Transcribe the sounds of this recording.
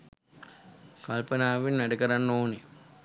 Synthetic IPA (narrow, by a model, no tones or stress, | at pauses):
kɐlpɐnaːʋɪnnɐɽɯkːɐɾannoːni